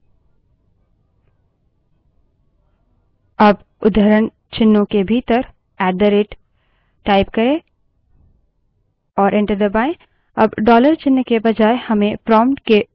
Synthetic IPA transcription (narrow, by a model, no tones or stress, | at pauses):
ɐb | ʊd̪ʱəɾən | t͡ʃɪnːõkebʱiːt̪əɾ | ɛːɖd̪əɾeːʈː | aːɪpkɐɾẽ | ɔːɾʔẽɳʈəɾd̪ɐbaːẽ | ɐbɖɔːləɾt͡ʃɪnːkebɐd͡ʒaːehɐmẽpɾɔːmʈke